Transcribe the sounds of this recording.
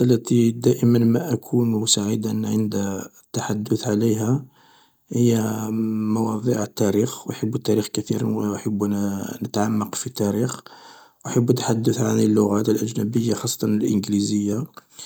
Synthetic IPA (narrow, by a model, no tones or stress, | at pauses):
ʔəlːæt̪id̪æʔəmənmæʔækʰunsaʕid̪aʔənːʕənd̪ | t̪ːaħad̪ːʊθʕaliɦæ | həjːæmɑwɑd̪ˤiʕt̪ːæɾixwħəbːt̪ːæɾixkæt̪ḭɾʔħəbːnət̪ʕamːɑqfit̪æɾix | ʔaħəbːut̪ːħad̪ːʊθʕa̰nilːʊɣæt̪əlʔæʒnæbəjːaxɑsˤːɑ̥t̪ˤɑnəlʔə̰nɡlizəjːa